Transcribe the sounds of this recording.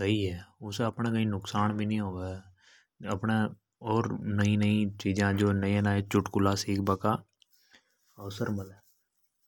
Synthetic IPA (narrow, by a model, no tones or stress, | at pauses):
səiːɦɛːʊsəpnẽːkəĩːnʊksaːnbʱiːnĩːɦoːɡa | əpɳeː | ɔːɾnəĩːnəĩːt͡ʃiːd͡ʒãːd͡ʒoːnəĩɛ̃naːet͡ʃʊʈkʊlaːsiːkʰbəkaː | əsəɾməlɛː